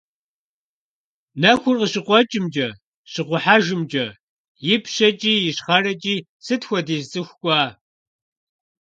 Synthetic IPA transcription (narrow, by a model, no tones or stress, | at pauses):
nɐxʷʊrqəɕɪqʷɔt͡ʃʼɪmt͡ʃʼɐ | ɕɪqʷʊħaːʒɪmt͡ʃʼɐ | jɪpʰɕɐt͡ʃʼiːjɪɕχɐrɐt͡ʃʼiː | sɨtxʷɔdeːzt͡sʼɨxʷkʷʼɑː